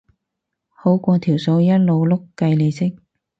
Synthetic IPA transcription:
ho˨˥wkʷɔː˧t̪ʰi˨˩wso˧wjɐ˥t̚lo˨˧wlʊ˥kkːɐ˧jle˨˧jsɪ˥k̚

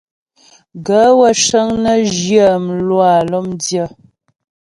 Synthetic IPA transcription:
ɡə˨˦wə˦˨ʃə˦ŋnə˦ʒjə˦˨m˨lwa˨lɔ˦mdjə˦˨

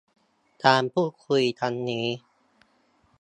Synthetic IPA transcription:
t̪ʰaː˧mpʰuː˥˩kʰu˧jt̪ʰa˧nːiː˦˥

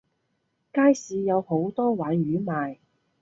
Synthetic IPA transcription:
kaː˥jsiː˨˧jɐ˨˧who˨˥wt̪ɔː˥waː˨˥jɥyː˨˥maː˨j

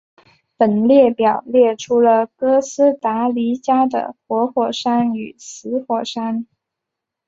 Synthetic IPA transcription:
pə˨˩nljɛ˥˩pjɑ˨˩ʊljɛ˥˩ʈ͡ʂʰu˥lə˨kɤ˥sɹ̩˥t̪a˧˥li˧˥t͡ɕja˥d̪ə̰˨xwɔ˧˥xwɔ˨˩ʂa˥ny˨˩sɹ̩˧˥xwɔ˨˩ʂa˥n

